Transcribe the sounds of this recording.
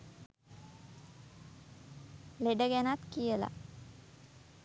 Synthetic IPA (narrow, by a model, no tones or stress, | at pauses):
leɖəɡænat̪kijəla̰